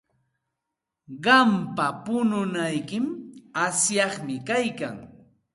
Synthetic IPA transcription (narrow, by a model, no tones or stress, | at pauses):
ɢɑmpapʊnʊnajkɪmasjɑχmɪkajka̰ŋ